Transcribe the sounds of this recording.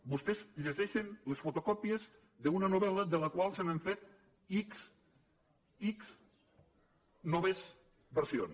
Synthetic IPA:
bust̪ezʎezeʃenlesfot̪okɔpijez | ðəunənoβɛləðələkwalˠsanəɱfet̪̚ | iks | iks | nɔβez | bəɾsio̰n

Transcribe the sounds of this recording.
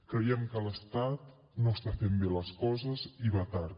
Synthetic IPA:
kɾəjɛmkələst̪at̪̚ | noəst̪afembeləskɔzəziβat̪aɾ

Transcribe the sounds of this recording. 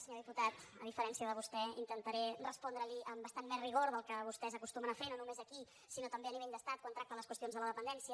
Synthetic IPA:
səɲoðiput̪at̪ə̰ðifəɾɛnsiəðəβ̞ust̪ɛint̪ənt̪əɾɛrəspɔnd̪ɾəliʔəmbəst̪anmɛzriɣ̞oɾðəlˠkəβust̪ɛzəkust̪umənəfenonumezəki | sinot̪əmbeəniβɛʎd̪əst̪at̪̚kwant̪ɾak̚t̪ələskwəst̪ionzðələðəpənd̪ɛnsiə

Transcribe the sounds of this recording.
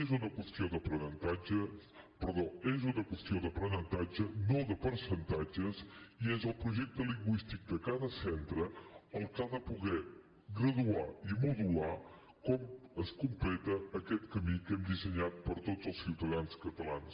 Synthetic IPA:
ezunəkwəst̪ioðəpɾənənt̪ad͡ʒəpəɾðoezunəkwəst̪ioðəpɾənənt̪ad͡ʒənoðəpəɾsənt̪ad͡ʒəziezəlˠpɾuʒɛk̚t̪əliŋɡwist̪ik̚d̪əkaðəsɛnt̪ɾəəlˠkaðəpuɣɛ | ɡɾəðuaimuðula | kɔməskumplɛt̪əːkɛt̪kəmikɛmd̪izəɲat̪̚pəɾt̪ozəlˠsiwt̪əðanskət̪əla̰ns

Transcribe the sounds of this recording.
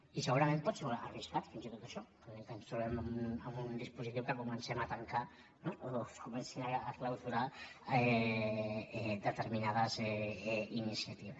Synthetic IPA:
iseɣuɾamenp̪ot̪seuaariskat̪finsit̪ut̪aʃɔ | ek̪amsuβemauamund̪ispusit̪iwkekomensemat̪aŋka | nooskomensinaːklawsuɾae | d̪ət̪eɾminað̞az | inisiat̪iβes

